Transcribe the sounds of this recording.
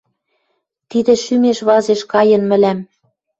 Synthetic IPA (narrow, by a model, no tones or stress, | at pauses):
t̪id̪ĕʃymeʃβɑzeʃkɑjɤ̆nmɘ̆læm